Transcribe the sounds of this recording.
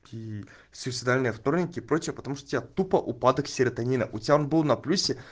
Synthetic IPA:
kʲi | sʲʊsʲɪd̪alʲnɨjəft̪o̞rnʲɪkʲɪpɾo̞t͡ɕɪjəpət̪ɐmuʂt̪ot̪ʲɪbʲat̪upəʔʊpad̪əksʲɪɾət̪ɐnʲinəʔʊtʲɪbʲaonbɨlˠnɐplʲusʲɪ

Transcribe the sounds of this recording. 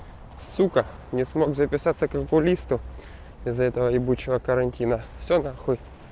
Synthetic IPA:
sukə | nʲɪsmo̞ɡzəpʲɪsat̪sːəkəpʊlʲist̪ʊ | ɪzɛt̪əvəɪbut͡ɕːɪvəkəɾɐnʲtʲinəfsʲonaxɨj

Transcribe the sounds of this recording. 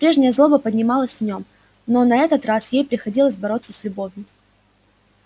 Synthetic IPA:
pɾʲe̞ʐnʲɪjəzlˠo̞bəpədʲnʲɪmɑlˠəsʲvnʲo̞m | no̞nɐɛt̪ət̪rasjejpɾʲɪxɐdʲilˠəsʲbɐɾo̞t̪səsʲlʲʊbo̞vʲjʊ

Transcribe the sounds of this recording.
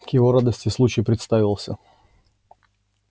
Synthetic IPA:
kjɪvoɾad̪əsʲtʲɪslˠut͡ɕɪjɪpɾʲɪt̪st̪avʲɪlˠsʲə

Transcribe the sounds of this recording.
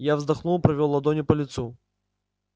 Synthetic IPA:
javzd̪ɐxnulˠpɾɐvʲɔlˠːɐd̪ɔnʲɪpɐlʲit̪su

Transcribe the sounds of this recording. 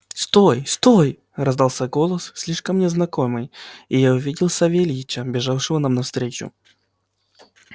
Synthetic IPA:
st̪ojst̪oj | rɐzd̪alˠsʲaɡolˠəssʲlʲiʂkəmnʲɪznɐko̞mɨjɪjaʊvʲidʲɪlˠsɐvʲelʲiɪt͡ɕəbʲɪʐafʂɨvənamnɐfst̪ɾʲet͡ɕʊ̰

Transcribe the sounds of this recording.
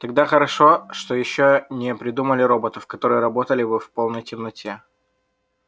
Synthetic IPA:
t̪ɐɡ̚d̪axəɾɐʂo̞ʂt̪ojɪɕːonʲɪpɾʲɪd̪uməlʲɪɾo̞bət̪əfkɐt̪o̞ɾɨjəɾɐbo̞t̪əlʲɪbɨfpo̞lˠnəjtʲɪmnɐtʲe

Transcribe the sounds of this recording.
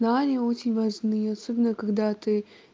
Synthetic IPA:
nanʲɪjəot͡ɕɪnʲvɐʐnɨjəɐsobʲɪnːəkɐɡd̪at̪ɨ

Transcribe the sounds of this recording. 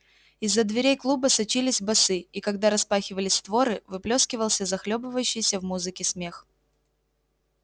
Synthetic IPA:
ɪzːəd̪vʲɪɾʲejklˠubəsɐt͡ɕilʲɪsʲbɐsɨikɐɡd̪aɾɐspaxʲɪvəlʲɪsʲt̪vo̞ɾɨvɨplʲo̞skʲɪvəlˠsʲəzɐxlʲobɨvəjʉɕːɪjɪsʲəvmuzɨkʲɪsmʲe̞x

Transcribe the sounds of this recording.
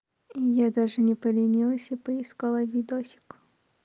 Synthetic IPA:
ijad̪aʐɨnʲɪpəlʲɪnʲilˠəsʲipəɪskolˠəvʲid̪osʲɪ̥kʊ

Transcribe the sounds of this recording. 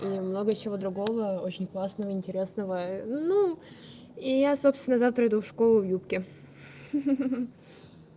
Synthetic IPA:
imno̞ɡət͡ɕɪvo̞d̪ɾʊɡo̞vəot͡ɕɪnʲklˠasnəvəɪnʲtʲɪɾʲe̞snəvənu | ijasopst̪vʲɪnːəzaft̪ɾəɪd̪ufʂko̞lˠʊvjupkʲɪ

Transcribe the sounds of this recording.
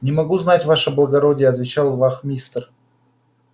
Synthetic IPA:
nʲɪmɐɡuznatʲvaʂəblˠəɡɐɾodʲɪjəɐt̪vʲɪt͡ɕalˠvaxmʲist̪r

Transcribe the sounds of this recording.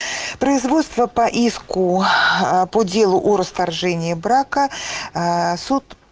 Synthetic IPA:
pɾəɪzvot̪st̪vəpɐʔiskʊ | podʲd͡zʲelˠʊʔɔɾəst̪arʐɛnʲɪjəbɾakə | sut̪

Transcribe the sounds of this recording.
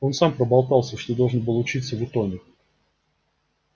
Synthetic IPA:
o̞nsampɾəbɑlˠk̪ɑlˠsʲəʂt̪od̪o̞lˠʐənbɨlˠʊt͡ɕit̪səvɨt̪onʲɪk

